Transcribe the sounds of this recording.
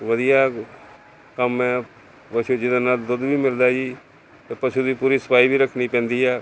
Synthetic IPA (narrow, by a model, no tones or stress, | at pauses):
ʋəd̪ijaː | kəmɛ̃ː | pəʃud͡ʒɪd̪anald̪ʊd̪ʋiːmɪld̪aːd͡ʒiː | t̪eːpəʃuːd̪iːpuːɾiːsə̥paːiːbiːɾəkʰniːpɛ̃ːnd̪iːɦɛː